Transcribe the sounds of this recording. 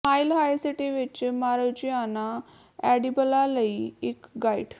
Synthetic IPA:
maːɪlɦaːiseʈeːʋɪt͡ʃmaːɾəd͡ʒɪjaːnaː | ɛːɖibəlaːləiːɪkɡaːɪ̰ɖ

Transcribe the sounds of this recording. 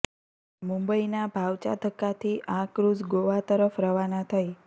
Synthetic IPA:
mũmbəinabʱaʋt͡ʃa̰t̪əkːat̪ʰiʔãkɾud͡ʒɡoʋat̪əɾəfɾəʋanat̪ʰəj

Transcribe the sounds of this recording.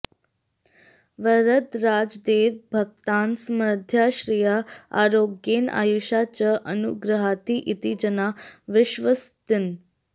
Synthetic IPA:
ʋəɾət̪ɾad͡zd̪eʋbʱəɡ̚t̪ansmɾəd̪ʱjaɕɾijaa̰ɾoɡjena̰juɕat͡ɕaʔənuɡɾəɦat̪iːʔit̪id͡ʑənaʋɪɕʋəst̪ɪn

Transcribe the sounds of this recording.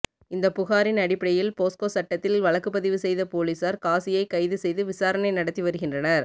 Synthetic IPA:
ɪnd̪ɐpːʊɣaːɾɪnɐɽɪpːɐɽɐjɪlpoːskoːsɐʈːɐt̪ːɪlʋɐɭɐkːɯpːɐðɪʋɯsɛjðɐpoːliːsaːɾkaːsɪjɐɪkɐɪðɯsɛjðɯʋɪsaːɾɐnɐɪnɐɽɐt̪ːiʋɐɾɯɣɪndrɐnɐɾ

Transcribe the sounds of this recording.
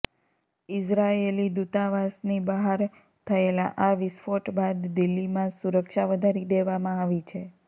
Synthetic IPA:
ɪsɾaelid̪ut̪aʋasnibaɦaɾ | t̪ʰəelaʔaʋɪsfoʈbad̪ːɪlːimãsuɾəkʃaʋəd̪ʱaɾid̪eʋamãaʋit͡ʃʰe

